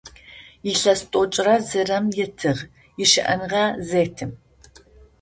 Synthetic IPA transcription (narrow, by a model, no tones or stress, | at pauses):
jiɬɐstʼot͡ʃʼrɐzɨrɐmjɪtʰɨʁ | jɪʃɪ̰ʔɐ̰nʁɐzeːtʰɨm